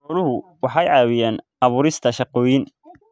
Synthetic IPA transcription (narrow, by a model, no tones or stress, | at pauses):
ɔlʊɦʊwɑħɑjʕɑːwɪjɛːnʔɑβʊːɾɪst̪ʰɐʃɑqɔːjɪn